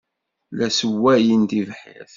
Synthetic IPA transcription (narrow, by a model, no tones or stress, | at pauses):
læsəwːæjənt̪ivħə̰θ